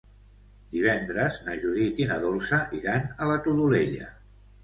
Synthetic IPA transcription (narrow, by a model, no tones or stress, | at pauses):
d̪iβ̞ɛnd̪ɾəznaʒuɾit̪inəðolˠsəʔiɾanələt̪uðuleʎə̰